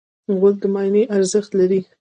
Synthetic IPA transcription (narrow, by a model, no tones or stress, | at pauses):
ɣʊld̪əmɑjneʔaɾzəxt̪laɾi